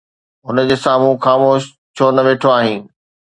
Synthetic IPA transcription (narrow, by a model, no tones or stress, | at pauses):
ɦʊnəd͡ʑeːsãːmũːxaːmoːʃ | t͡ɕʰoːnɐʋeːʈʰoaːɦĩː